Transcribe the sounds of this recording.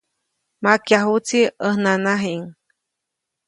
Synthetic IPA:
makjaɦut͡siəhnanaɦiŋ

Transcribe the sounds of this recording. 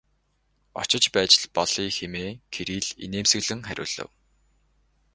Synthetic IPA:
ɔ̰t͡ɕɪ̆t͡ɕpæːt͡ɕɪ̆ɮpɔɮ̥iːxemeːkʰeɾiːɮḭneːmsɘ̆ɣɮɘ̆ŋχæɾʲʊ̰ːɮə̰̆w

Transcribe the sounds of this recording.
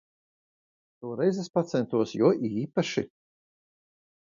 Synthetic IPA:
t̪uːɾɛjzespat̪sɛnt̪uɔsjuɔʔiːpaʃi

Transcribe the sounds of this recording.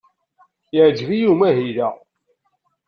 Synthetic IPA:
jəʕd͡ʒvijumæɦiðæ

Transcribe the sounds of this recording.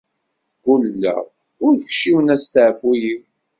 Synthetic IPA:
kʊlːæ̰ | ʊɾçʃiwənæst̪ʕfujiw

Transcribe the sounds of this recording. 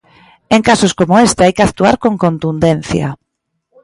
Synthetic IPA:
eŋkasoskomoest̪ɪajkɪakt̪ua̰ɾkõŋkont̪und̪enθja̰

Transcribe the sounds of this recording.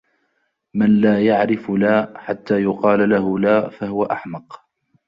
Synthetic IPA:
manlaːjaʕɾɪflaːħat̪ːaːjʊqɑːlalahʊlaːfaɦʊwaʔaħmɑq

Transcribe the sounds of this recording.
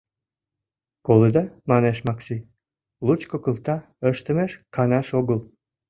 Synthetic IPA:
koləd̪ɑmɑneʃmɑksi | lut͡ɕkokəlt̪ɑ | əʃt̪ə̆meʃkɑnɑʃoɣəl

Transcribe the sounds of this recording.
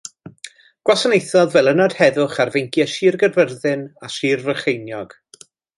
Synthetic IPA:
ɡ̥wasənejθɔðvɛlˠənɔd̥hɛðʊχarvejŋkʰjɛʃiːrɡərvərðɪnaʃiːrvəχejnjɔɡ̥

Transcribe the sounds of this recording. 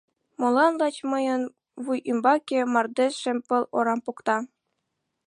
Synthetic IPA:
molˠɑnlˠɑt͡ɕmɤ̆jɤ̆n | ʋujʔymbɑkʲemɑrd̪ʲeʂɘ̆mʲpɤ̆lˠoɾɑmpukt̪ɑ

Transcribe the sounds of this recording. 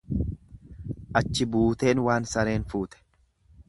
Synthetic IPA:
ʔɐt͡ʃːɪbuːt̪e̞ːnwaːnsɐɾe̞ːnfuːt̪ɛ̥

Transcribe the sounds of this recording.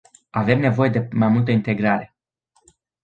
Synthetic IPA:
ave̞mne̞vo̞je̞d̪e̞majmult̪əint̪e̞ɡɾaɾe̞

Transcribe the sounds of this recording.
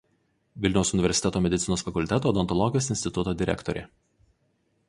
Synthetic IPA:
ʋʲɪlʲnʲɛʊsʊnʲɪʋʲɛɾʲsʲɪ̥t̪ʲɛt̪oːmʲɛd̪ʲɪt̪sʲɪnoːsfɐkʊlʲt̪ʲɛt̪oːd̪ɔnt̪ɔlˠɔɡʲɪjoːsɪnʲst̪ʲɪt̪ʊt̪oːd̪ʲɪɾʲɛ̰kt̪ɔɾʲḛː

